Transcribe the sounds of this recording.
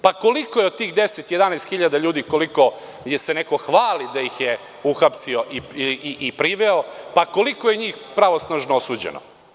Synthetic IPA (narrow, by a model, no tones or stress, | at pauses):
pako̞likojeod̪̚t̪iːxd̪eset̪jed̪anɛːst̪xiʎad̪aʎuːd̪ikoliko̞ | jeseneko̞xʋaːlid̪ajixje | uxapsio̞ʔiiʔiʔipɾiʋeopako̞likojeɲiːxpɾaʋosnaːʒnoosuːd͡ʑḛnʔo̰